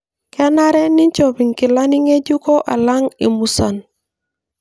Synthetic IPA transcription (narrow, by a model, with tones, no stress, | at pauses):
kɛ˦na˦ɾɛ˦ni˦ɲt͡ʃo˨bi˨ŋki˨la˦ni˦ŋe˦d͡ʒu˦ko˦ʔa̰˨la˦ŋḭ˨mu˨sa˨n